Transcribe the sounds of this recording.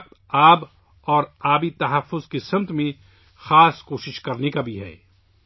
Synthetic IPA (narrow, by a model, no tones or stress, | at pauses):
qt̪ | aːb | ɔːɾaːbit̪ɐɦəfːʊzkesɐ̃mt̪ʰmẽ | xaːskoːʃɪʃkɐɾnekabʱiɦɛ̰ː